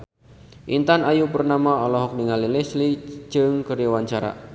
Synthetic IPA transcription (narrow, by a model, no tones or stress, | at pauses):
ʔint̪anajupərnamaɔlɔɦɔk̚niŋalilesli̥d͡ʒɨŋkəɾjɔwaɲt͡ʃaɾa̰